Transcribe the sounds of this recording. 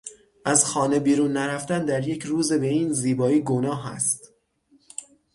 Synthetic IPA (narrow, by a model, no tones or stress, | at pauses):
ʔæzxɒːne̞biːɾunːæɾæft̪ænd̪æɾje̞cʰɾuːze̞be̞iːnziːbɒːiːɡo̞nɒːɦæ̰st̪